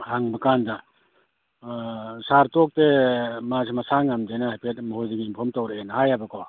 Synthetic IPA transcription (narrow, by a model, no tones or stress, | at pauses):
haŋbakanda | saɾtɔk̚temasemasaŋamdejnahajpʰet̚mɐhujdeɡiimpʰɔɾmtawɾeenhajabako